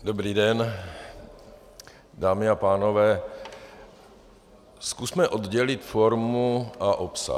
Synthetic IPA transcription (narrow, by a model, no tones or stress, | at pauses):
dobɾiːdɛn | daːmɪapaːnovɛː | skusmɛʔod̪ɟɛlɪt̪foɾmuʔaʔopsa̰